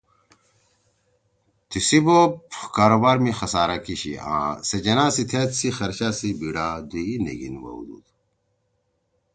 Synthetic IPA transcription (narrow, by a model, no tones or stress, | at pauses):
t̪isibopkaːɾobaːɾmixɐsaːɾakiɕḭã̰ːsed͡ʑɐnaːsit̪ʰet̪sixɐɾɕasibiɽad̪unḛɡḭnwɐ̰ṵd̪ṵt̪